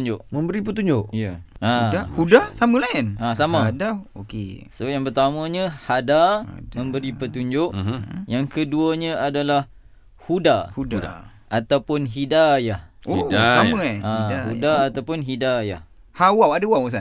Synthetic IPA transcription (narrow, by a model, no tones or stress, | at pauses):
ɲd͡ʒʊʔmə̃mbəɾipət̪uɲd͡ʒʊʔijaaahudasamə̃laɪnasamadaokḛsojaŋpərt̪amə̃ɲəhadamə̃mbəɾipət̪uɲd͡ʒʊʔjaŋkəduaɲəadalah | hudahudaa̰ | ʔat̪awpʊnɦidajahodasaaãahudaːt̪awpʊnɦidaja̰h | hawawadawawsa